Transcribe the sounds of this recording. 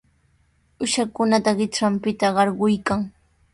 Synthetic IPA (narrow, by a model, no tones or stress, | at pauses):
ʊʃakʊnat̪aɢɪʈ͡ʂampɪt̪aɢɑɾɢʊjkaŋ